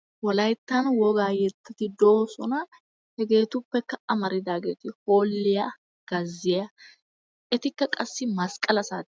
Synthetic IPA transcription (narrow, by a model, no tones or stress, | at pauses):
wɔlɐjt̪ːɐnwɔɡaːjɛt̪ːɐt̪ɪd̪oːsɔnɐ | hɛɡe̞ːt̪ʊpːɛkːɐɐmɐɾɪd̪aːɡḛːt̪ɪho̞ːlːɪja | ɡ̥ɐzːɪjɐ | ʔɛt̪ɪkːɐkʼɐsːɪmɐskʼɐlɐsaːt̪